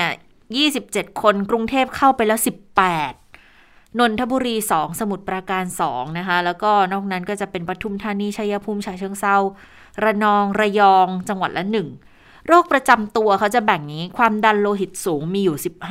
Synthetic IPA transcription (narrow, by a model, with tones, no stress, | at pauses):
jiː˥˩si˨˩p̚t͡ɕe˨˩t̪̚kʰo˧nkɾu˧ŋt̪ʰeː˥˩p̚kʰa˥˩wpa˧jlɛː˦˥wsi˨˩pːɛː˨˩t̪̚ | no˧nt̪ʰa˦˥buː˧ɾiː˧sɔː˩˦ŋsa˧mu˨˩t̪̚pɾaː˧kaː˧nsɔ̰ː˩˦ŋna˦˥kʰa˦˥lɛː˦˥wkɔː˥˩nɔː˥˩k̚na˦˥nkɔː˥˩t͡ɕa˨˩pe˧npɾa˧t̪ʰu˧˩mt̪ʰaː˧niː˧˥˩t͡ɕʰa˧˥jːa˧pʰuː˧mt͡ɕʰaː˧jt͡ɕʰɤ˧əŋsa˧˩w | ɾa˧nɔː˧ŋɾa˧jɔː˧ŋt͡ɕa˧ŋwa˨˩t̪̚lɛ˦˥nɯ˨˩ŋ | ɾoː˥˩k̚pɾa˧t͡ɕa˧mt̪u˧ɐkʰa˦˥wt͡ɕa˨˩bɛ˨˩ŋniː˦˥kʰwaː˧mda˧nloː˧ɦi˨˩t̪̚suː˩˦ŋmiː˧juː˨˩si˨˩p̚h